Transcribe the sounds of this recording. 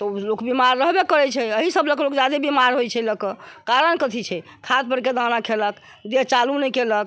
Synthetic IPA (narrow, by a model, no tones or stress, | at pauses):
t̪ɔlokbimaɾːəɦbekəɾɛt͡ʃʰɛəɦisəbləklokd͡ʒad̪ebimaɾɦojt͡ʃʰɛləkəkaɾənkət̪ʰit͡ʃʰɛ | kʰat̪̚pəɾked̪anakʰelək | d̪eɦt͡ʃalunɛkelək̚